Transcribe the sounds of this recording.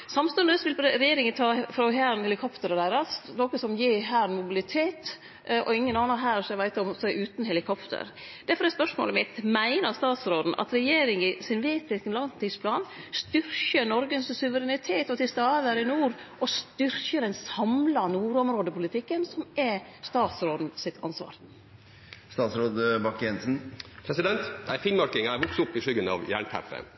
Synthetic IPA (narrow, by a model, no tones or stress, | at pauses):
sɑmst̪ʉnəsʋɪlɾɛjeːɾɪŋənt̪ʰɑːfɾɔɦæːɾnhɛlɪkʰɔpt̪əɾəd̪æɪɾɑsnɔkəsɔmjiːɦæːɾnmʊbɪlɪt̪ʰeːt̪ | ʔɔɪŋːənɑːnɑɦæːɾsɔɛʋæɪt̪ɔmsɛɪʔʉːt̪nhɛlɪkʰɔpt̪ʰə̰ɾ | d̪̥æɾfɔɾɛspœʂmo̰ːləmɪt̪mæɪnəɾst̪ɑːt̪sɾoːd̪n̩ʔɑ̰t̪ɾɛjeːɾɪŋɪsɪnʋeːt̪ɪskənlɑnt̪ispʰlɑːnst̪ʏɾçənɔɾɡənssʉʋəɾɛnɪt̪ʰeːt̪ɔt̪ʰɪlst̪ɑːd̪əɾɪnuːɾʔɔst̪ʏɾçəɾɛnsɑmlɑnuːɾɔmɾoːd̪əpʰʊlɪt̪ʰɪkːənsɔmɛst̪ɑːt̪sɾoːd̪n̩sɪt̪ʰɑ̰nsʋɑ̰ːɾ | st̪ɑːt̪sɾoːd̪əbɑkjɛnsn̩pʰɾɛsɪd̪ɛnt̪æɪfɪnmɑɾkɪŋæɪʋʊksʊpːɪʂʏɡənɑ̰ʋjæ̰ːɳt̪ʰæ̰pə̰